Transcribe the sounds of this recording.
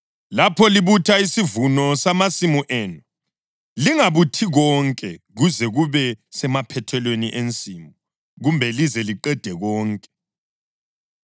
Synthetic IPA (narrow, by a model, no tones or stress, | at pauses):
lapʰɔliβutʰaisivunɔsamasimuʔɛːnu | liŋaβutʰiɣɔŋkʼɛɣuzɛɣuβɛsɛmapʰɛtʰɛlweniʔent͡sʼimu | ɣumbʱɛlizɛliǃɛd̥ʱɛɣɔːŋkʼɛ̥